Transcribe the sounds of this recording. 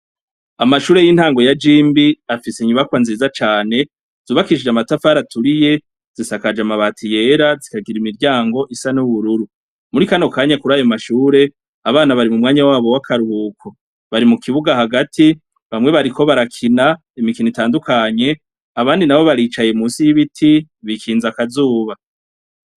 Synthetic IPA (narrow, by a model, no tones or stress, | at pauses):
amaʃuːɾe̞jin̥haːŋɡo̞jad͡ʒiːmbiafiseɲuβakwanziːzat͡ʃaːne̞ | z̥uːβakiʃid͡ʒamatafaɾatʰuɾije̞ | z̥isakad͡ʒamaβaːtʰije̞ːɾazikaɡiɾimiɾɟaːŋɡo̞ʔisanuβuɾuɾu | muɾikano̞kaːɲakuɾaːjomaʃuːɾe̞ | aβaːnaβaɾimumŋaːɲawaːβo̞wakʰaɾuuːkʰo | βaɾimukʰiβuɡahaɡatʰi | βamŋe̞βaɾikʰo̞βaɾakʰina | imikinitaːndukaɲe̞ | aβaːndinaβo̞βaɾiːt͡ʃaje̞muːsijiβitʰi | βikiːnzakazuːβa